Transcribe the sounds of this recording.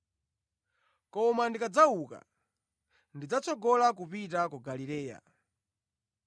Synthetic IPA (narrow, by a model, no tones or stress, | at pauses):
kɔmandikad͡zauka̰ | ndid͡zat͡sɔɡɔlak̬upitakɔɡalilɛːja̰